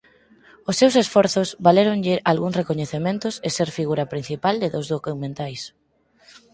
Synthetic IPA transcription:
ʊsːewsesfɔɾθʊzβaleɾoŋʎɪʔalɣuŋsrekoɲeθemẽnt̪ʊseseɾfiɣuɾɐpɾin̟θipald̪ɪðozðokumẽnt̪ajs

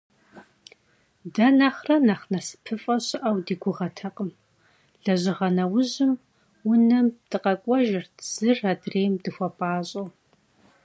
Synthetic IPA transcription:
dɐnɐχrɐnaχnɐsɨ̥pʰɨfʼɐɕʼɪʔɐwdiːɡʷʊʁɐtʰɐqʼəm | ɮɐʑɪʁɐnɐwʊʑɪm | wʊnɐmd̥ɨqɐkʷʼɔʒɪrdz̥ɨradreːjmdɨxʷɐpʼaːɕʼɐw

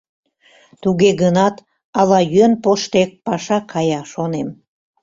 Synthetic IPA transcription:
t̪uɣeɣənɑt̪ | ɑlɑjyenpoʃt̪ek̚pɑʃɑkʰɑjɑʃonem

